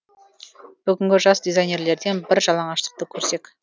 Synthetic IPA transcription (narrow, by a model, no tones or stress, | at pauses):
b̥ʏɡʲɪŋɡʲɪʒɑsd̪ʲezajnʲe̞ɾle̞ɾd̪e̞nbɪɾʒɑlˠɑɴɑʃt̪ə̥q̚t̪əkʲʰɵɾse̞k